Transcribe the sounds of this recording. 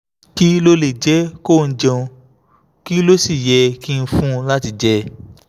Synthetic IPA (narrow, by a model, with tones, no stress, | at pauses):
ki˦lo˦˧le˨d͡ʒɛ˨˦ko˦˨n̩˦d͡ʒɔ̃˧ | ki˦lo˦si˦˨jɛ˧ki˦˧n̩˧fũ˦˧la˦ti˧d͡ʒɛ˦